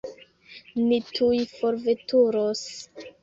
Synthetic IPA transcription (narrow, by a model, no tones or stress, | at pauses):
nitʰujfoɾvetuɾos